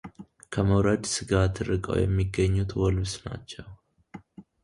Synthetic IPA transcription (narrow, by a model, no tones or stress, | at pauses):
kʰəməwɾəd̪sɨɡat̪ʰɨɾɨkʼə̰wjɛ̰mːiɡːəɲːut̪wɔlbsna̰t͡ʃːɛw